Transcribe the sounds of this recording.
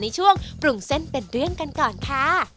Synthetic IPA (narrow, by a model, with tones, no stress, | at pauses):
na˧jt͡ɕʰu˥˩əŋpɾu˨˩ŋse˦˥˩npe˧nɾɯ˥˩əŋka˧nkɔː˨˩nkʰa˥˩